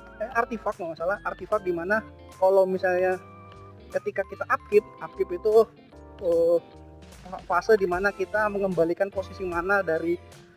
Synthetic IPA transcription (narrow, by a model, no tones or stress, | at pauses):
əart̪ifak̚mamasalahʔart̪ifak̚dimana | kalawmisalɲa | kət̪ikakit̪aʔap̚kɪp̚ap̚kɪpit̪u | ə | afasədimanakit̪aməŋəmbalikanposisimanadaɾi